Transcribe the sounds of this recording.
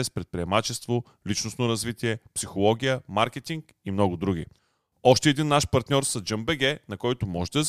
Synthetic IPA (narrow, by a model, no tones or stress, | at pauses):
ɛspɾɛt̪̚pɾiɛmat͡ʃɛst̪vo | lit͡ʃnosnoɾɐzvit̪iɛpsixolˠɔɡʲijəmaɾkɛt̪iŋk | imnɔɡʊd̪ɾuɡ̟ʲi | ɔʃt̪ɛɛd̪inːaʃpɐɾt̪nʲɔɾsɐd͡ʒɤmbɛɡɛnɐkɔjt̪ʊmɔʒɛd̪ɐɛz